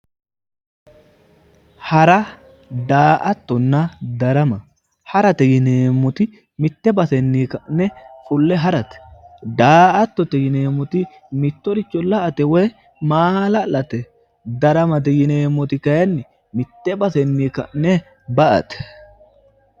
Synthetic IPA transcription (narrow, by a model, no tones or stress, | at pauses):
hɐɾɐ | d̪aːʔɐt̪ːɔnːɐd̪ɐɾɐmɐ | hɐɾɐt̪ɛjɪneːmːʊt̪ɪ | mɪt̪ːɛbɐsɛnːiːkɐʔnɛfʊlːɛɦɐɾɐt̪ɛ̥d̪aːʔɐt̪ːɔt̪ɛjɪneːmːʊt̪ɪ | mɪt̪ːɔɾɪt͡ʃːɔlɐʔɐt̪ɛwɛj | maːlɐlɐt̪ɛ | d̪ɐɾɐmɐt̪̬ɛjɪneːmːɔt̪ɪkɐjɐnːɪ | mɪt̪ːɛbɐsɛnːiːkɐ̰ʔnɛ | bɐʔɐ̰t̪ɛ̥